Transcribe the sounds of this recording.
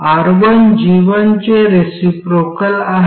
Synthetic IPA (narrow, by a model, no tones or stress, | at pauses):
aɾʋənd͡ʑiʋənt͡ɕeɾesipɾokəlaɦ